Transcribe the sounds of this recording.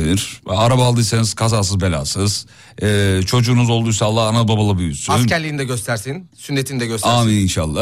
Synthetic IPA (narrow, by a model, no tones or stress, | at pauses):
nʲiɾ̥aɾabaːlˠd̪ɯjseniz̥kʰazaːs̬ɯzbelʲa̰ːsɯz̥ | ɛːt͡ʃʰo̞d͡ʒuːnuzolˠd̪ujsalˠːaanababalˠabyjysyanscʰæɾlʲiːnd̪ɛɟø̞st̪ʰæɾsinsynːet̪ʰinid̪ɛɟøsaːmininʃalˠːa